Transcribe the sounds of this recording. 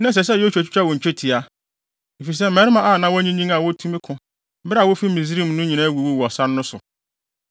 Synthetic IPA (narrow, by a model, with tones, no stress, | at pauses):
nã˦s̬ɛ˨s̬ɛ˦˨jo˦sᶣu˨æ˨t͡ɕʰᶣi˦t͡ɕᶣʰa˦wɔ̃˨ɲ̩˨t͡ɕᶣʰe˦tʰi˨a˦ | i˨fi˨s̬ɛ˦m̩˨mɛ˨ɾɪ˦mã˨ʔa˨nã˦wɔ˦ɲĩ˦nɲĩ˦ŋa˨wɔ˦tʰu˦mĩ˦kʰʊ̃˨˦ | bɾa˨wʊ˦fi˦mĩ˨z̬ɾi˦˨mnʊ̃˦ɲĩ˨nã˦wu˨wu˦wɔ˨sa˦n˦nʊ̃˦sʊ̰˨